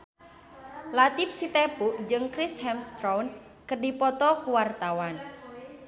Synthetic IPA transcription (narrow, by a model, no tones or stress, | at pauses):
lat̪ifsit̪epuʔd͡ʒɨŋkɾishɛmst̪ɾɔwn | kərdipɔt̪ɔkuwart̪awan